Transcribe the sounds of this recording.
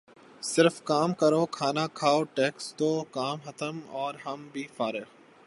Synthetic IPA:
sɪɾfkaːmkɐɾoːkʰaːnakʰaːoʈeːkst̪oːkaːmxɐt̪əmɔːɾɦɐmbʱiːfaːɾe

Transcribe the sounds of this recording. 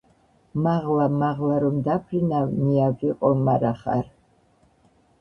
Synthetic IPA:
maʁlamaʁlaɾumd̪apʰrinawmijavriqʼɔmaɾaχa̰r

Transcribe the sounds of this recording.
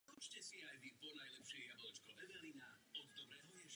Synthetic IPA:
ut͡ʃcɛsiajʋipɔnajlɛpʃɛjjabɔlɛt͡ʃkɔʋɛʋɛlinaɔɡ̪d̪ɔbɾɛɦɔjɛʃ

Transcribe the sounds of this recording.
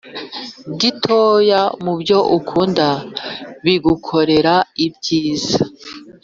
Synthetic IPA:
ɟitʰo̞jamubɟo̞ʔukʰuːnda | βiɡukʰo̞ɾe̞ɾaibɟiːza

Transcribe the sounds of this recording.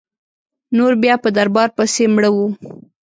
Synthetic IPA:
noɾbjɑpəd̪aɾbɑɾpəsemɽəwu

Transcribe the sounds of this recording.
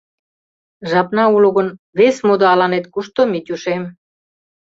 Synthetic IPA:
ʒɑpnɑuluɣə̆nβesmud̪ɑɑlɑnet̪kuʃt̪omit̪ʲuʃem

